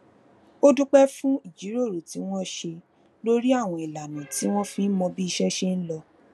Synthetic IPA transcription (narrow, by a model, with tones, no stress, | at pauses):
o˦du˦k͡pɛ˦fũ˦i˦˨d͡ʒi˨˦ɾo˦˨ɾu˨ti˨˦w̃ɔ̃˦ʃe˧ | lo˦ɾi˦a˦˨w̃ɔ̃˧i˨la˨nã˨ti˨˦w̃ɔ̃˦fĩ˦n̩˦mɔ̃˧bi˦i˧ʃɛ˦ʃe˦n̩˦lɔ˧